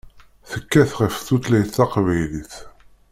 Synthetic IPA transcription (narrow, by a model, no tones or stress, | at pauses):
θəkːæθʁəfθut̪læjθɑqvæjliθ